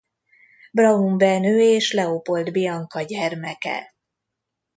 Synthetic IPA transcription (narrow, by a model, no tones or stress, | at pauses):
brɒɦumbɛnøːeːʃlɛopo̞ld̪bijɒŋkɒɟɛrmɛkɛ̰